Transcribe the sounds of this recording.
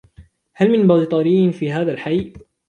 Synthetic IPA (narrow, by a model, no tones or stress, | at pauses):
halmɪnbɑːd̪t̪ˤɑɾiːnfiːɦaːðalħaj